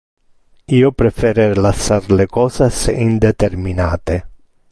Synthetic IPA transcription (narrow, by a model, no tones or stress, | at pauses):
iːopɾefeɾeɾlasːarlekɔːsasind̪et̪eɾminaːt̪e